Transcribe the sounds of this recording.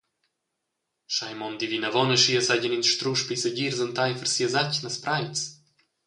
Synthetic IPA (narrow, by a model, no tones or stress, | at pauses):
ʃajmɔnd̪ivinavɔnəʃiəsaɟəninʃt̪ɾuʃpisəɟiɾzənt̪ajfəɾsiəzacnaspɾajt͡s